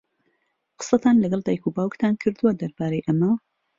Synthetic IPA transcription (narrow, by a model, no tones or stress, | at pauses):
qɨ̥sɐt̪ʰaːnlɐɡɐlˠd̪aːjkʰubaːwkt̪ʰaːnkʰɨɾd̪uwad̪ɐɾbaːɾejʔɐmɐ